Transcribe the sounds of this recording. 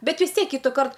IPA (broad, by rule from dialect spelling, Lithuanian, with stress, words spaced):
ˈbʲɛt ʋʲɪs ˈtʲiɛk ˈkʲiːtʊˌkɐrt